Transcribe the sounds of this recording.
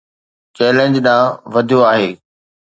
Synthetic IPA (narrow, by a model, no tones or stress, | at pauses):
t͡ɕɛːlẽɲd͡ʑɗãːʋɐd̪ʱijoaːɦeː